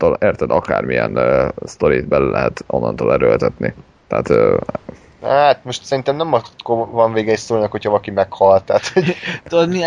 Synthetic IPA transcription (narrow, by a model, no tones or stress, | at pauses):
t̪oːleːrt̪ɛd̪ɒkaːrmijɛ̰nst̪o̞ɾit̪bɛlylɛɦɛt̪ʔo̞nːɒnt̪oːlɛɾølt̪ɛt̪ni | t̪ɛːt̪ː | at̪mo̞ʃt̪sɛɾint̪ɛmnɛmɒkovɒɱveːɡɛjsoːlnɒkho̞chɒvɒlɒkimɛkhɒlt̪aːt̪ho̞ɟ̪od̪mi